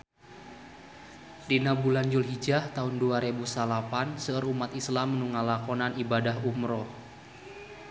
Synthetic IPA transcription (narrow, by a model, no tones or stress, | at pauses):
dinabuland͡ʒulɦid͡ʒaht̪aʊnduaɾebusalapansəərumat̪islamːənuŋalakɔnanibadaɦumɾɔh